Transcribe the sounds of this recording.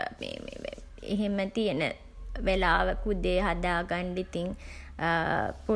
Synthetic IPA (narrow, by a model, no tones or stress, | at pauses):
mḛ | ḛɦemət̪ijənə̰ | ʋelaːʋəkud̪eːɦad̪aːɡanɖit̪iŋ | po